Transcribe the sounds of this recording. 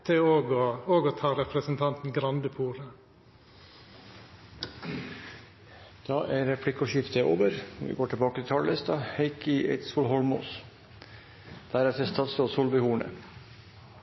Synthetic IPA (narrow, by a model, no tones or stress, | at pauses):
t̪ʰɪoːɡooːɡoːt̪ʰɑːɾɛpɾəsənt̪ʰɑnt̪n̩ɡɾɑnd̪əpʰuːɾə | d̪̥ɑːʔæɾɛpʰlɪkːɔʃɪft̪əʔo̰ːʋəɾʋɪ̰ɡoːʈʰɪlbɑːkət̪ʰɪt̪ʰɑːllɪst̪ɑheɪkɪḛɪt̪suːlɦɔlmo̰ːs | d̪̥æɾæt̪ɪst̪ʰɑːt̪soːsuːlʋəhuːɳə̰